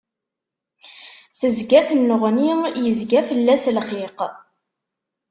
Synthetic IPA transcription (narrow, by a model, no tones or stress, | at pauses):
θəzɡæθənːəʁnijəzɡæfəlːæslχiq